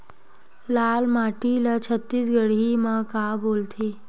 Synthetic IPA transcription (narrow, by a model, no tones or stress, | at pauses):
lalmaʈilat͡ɕʰət̪ːiːsɡəɽiməkabolt̪ʰe